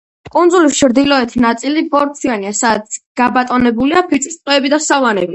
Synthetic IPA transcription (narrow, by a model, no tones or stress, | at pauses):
kʼund̪zulist͡ʃʰɾd̪ilɔɛt̪ʰinat̪sʼilibɔɾt̪ʰianiasad̪t̪ɡ̥abat̪ʼɔnɛbuliapʰit̪t͡ʃ̪ʰʼist̪ʼqʼɛːbid̪asavanɛbi